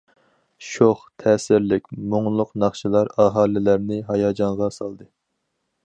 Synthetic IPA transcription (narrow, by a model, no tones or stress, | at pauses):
ʃoχt̪ʰɛːsɪɾlɪkʲmoŋlˠʊqnɑχʃilˠɑɾɑɦɑːlɪlæɾnɪɦɑjɑːd͡ʒɑɴʁɑsɑlˠd̪ɨ